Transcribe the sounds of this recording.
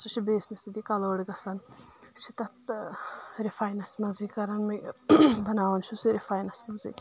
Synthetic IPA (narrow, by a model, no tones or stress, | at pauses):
sut͡ʃʰibeːsmist̪id̪ikɐloːɽɡɐsɐnʃʰit̪ɐt̪ | ɾifaːjnɐsmɐziːkɐɾɐnmibɐnaːʋɐnt͡ʃʰusiɾifaːjnɐsmɐzḭː